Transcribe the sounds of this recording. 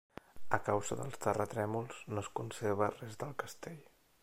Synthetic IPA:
əkawz̥əðə̰lˠst̪ərət̪ɾɛmulˠznoəskunseɾβ̞ərɛzðəlˠkəst̪eʎ

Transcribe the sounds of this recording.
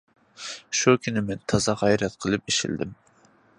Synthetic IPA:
ʃukʲʰynɪmɛnt̪ʰɑzɑʁɛjɾɛt̪̚qʰəlˠɨp̚iʃḭld̪ɪ̰m

